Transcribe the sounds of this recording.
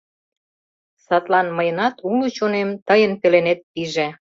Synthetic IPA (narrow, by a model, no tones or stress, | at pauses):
sɑt̪lɑnməjənɑt̪ulut͡ɕonemt̪əjənpelenet̪̚ːiʒe